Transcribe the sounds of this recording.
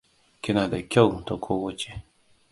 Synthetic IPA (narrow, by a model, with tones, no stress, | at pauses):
kʲɪ˦na˨da˨kʲɐ˦˨wto˨kʰo˦wɐ˦t͡ʃe˨